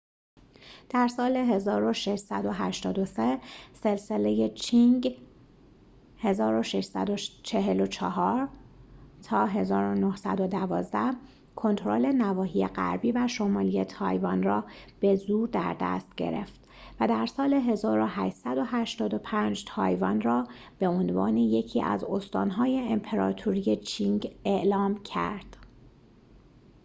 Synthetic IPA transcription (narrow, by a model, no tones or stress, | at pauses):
d̪̥æɾsɒːleɦe̞zɒːɾo̞ʃeʃsæd̪o̞ɦæʃt̪ɒːd̪o̞sese̞lse̞leje̞t͡ʃʰiŋɡ | he̞zɒːɾo̞ʃeʃsæ̰d̪ot͡ʃʰe̞ɦelo̞t͡ʃʰɒɦɒːɾ | t̪ʰɒːɦe̞zɒːɾo̞nohsæ̰d̪o̞d̪ævɒ̰ːzd̪æh | kʰo̞nt̪ʰoɾo̞̰le̞nævɒːɦijeɢæ̰ɾbiːvæʃo̞mɒːlijet̪ʰɒ̰ːjvɒnrɒːb̥e̞zuːɾd̪æ̰ɾd̪æ̰st̪̚ɟ̥e̞̰ɾe̞̰ft̪ | væd̪æɾsɒːle̞ɦe̞zɒːɾo̞ɦæʃsæd̪o̞ɦæʃt̪ɒːd̪o̞pʰænd͡ʒt̪ʰɒ̰ːjvɒnrɒː | b̥e̞onvɒ̰ːneje̞cʰiːæ̰zo̞st̪ɒ̰ːnɦɒːjeːmpʰeɾɒ̰ːt̪ʰuɾije̞t͡ʃʰiŋɟe̞ʔlɒːmcʰæ̰ɾd̪̥